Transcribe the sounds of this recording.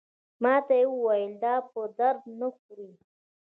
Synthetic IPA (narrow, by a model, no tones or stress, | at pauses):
mɑt̪ajewəwajəld̪ɑpəd̪aɾd̪̚nəxuɾi